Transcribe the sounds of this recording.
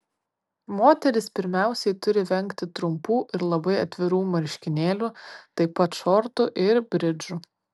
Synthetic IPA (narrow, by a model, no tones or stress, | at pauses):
moːt̪ʲɛɾʲɪspʲɪɾʲmʲæˑʊsʲɛɪt̪ʊɾʲɪʋʲɛŋʲkt̪ʲɪt̪ɾʊmpuːʔɪɾlˠɐbɐɪɐt̪ʲʋʲɪɾuːmɐɾʲʃʲkʲɪnʲeːlʲuːt̪ɐɪpɐt̪ʃɔɾt̪ʊʔɪɾbʲɾʲɪd͡ʒu